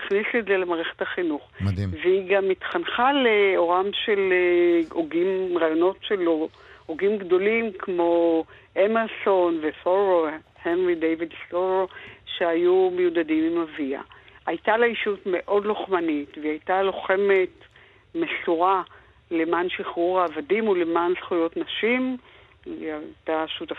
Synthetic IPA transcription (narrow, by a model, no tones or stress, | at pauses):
iχnisetzelemaːʁeχethaχinuχdveiɡamitχanχaleo̞ʁamʃe̞l | oɡimʁaːjo̞no̞tʃelo | hoɡimɡdo̞limkʰmo̞ | ʔemelso̞nvefoʁo | henʁidejvidsoʁoʃeajumejudadimimavia̰ʔajtaleiʃutme̞ʔo̞dloχmanitveajtalo̞χe̞me̞t | meɬuʁa | lemanʃiχuʁaːvadimulemansχujo̞tnaʃim | ataʃuta